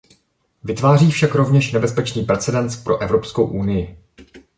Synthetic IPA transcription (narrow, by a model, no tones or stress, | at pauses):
vɪt̪vaːriːfʃakɾo̞vɲɛʃnɛbɛspɛt͡ʃniːpɾɛt͡sɛdɛnspɾo̞ʔɛvɾo̞psko̞wʔunɪjɪ